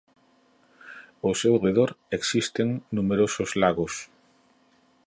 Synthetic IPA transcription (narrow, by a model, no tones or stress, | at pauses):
osewreð̞oɾeksist̪eŋnumeɾosozlaɣos